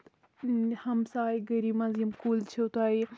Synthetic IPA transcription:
hɐmsaːiɡɐɾimɐzimkuːlt͡ʃʰewt̪aːi

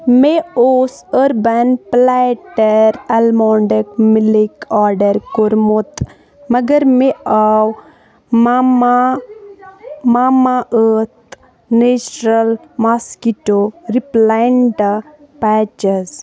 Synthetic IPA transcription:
meoːsəɾbɐnplaʈɐɾɐlmɔːɳɖəkmilikaːɾɖɐɾkoɾmot̪ | mɐɡɐɾmeaw | mama | maːmaʔət̪ | neːt͡ʃɾɐlmaskiʈoɾiplaɳɖ | paːt͡ʃəz

